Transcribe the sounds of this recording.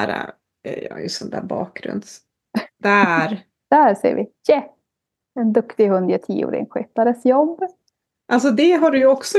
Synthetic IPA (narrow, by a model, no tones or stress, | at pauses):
æɾa̰ | jɑjɵ̰sɔnd̪æːbɑːk̚ɡɾɵ̰nd̪s | d̪̥æɾ | d̪̥æɾsɛ̰ːəvɪjɛ | ɛnd̪ɵkt̪ɪhɵnd̪at̪ʰḭːʊ̰ːɾɪ̰ŋɧɪt̪ːaɾəsjɔbː | ʔals̬ɔd̪ɛɦaɖɵjɵɔksɔ